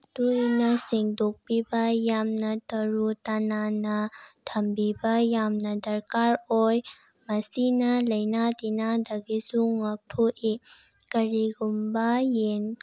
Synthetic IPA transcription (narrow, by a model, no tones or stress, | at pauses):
t̪unɐseŋdok̚pibɐjamnɐtɐɾut̪ɐnanɐtʰɐmbibɐjamnɐdɐɾkaɾoj | mɐsinɐlɐjnad̪inad̪ɐɡisuŋɐk̚tʰoʔi | kɐɾiɡumbajen